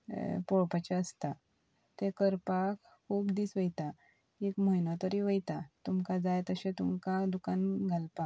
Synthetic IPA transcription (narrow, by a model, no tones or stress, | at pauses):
pɔɭpat͡ɕaəst̪a | t̪ẽkəɾpak | kʰuːpd̪iːsʋəjt̪a | ekməinat̪əɾiʋəjt̪at̪umkad͡zajt̪əɕẽt̪umkad̪ukanɡʱalpa